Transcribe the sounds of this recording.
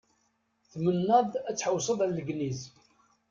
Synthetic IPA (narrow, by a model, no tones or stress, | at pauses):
θmənːæðˤæt͡sːħəwsˤəðˤæləɡniz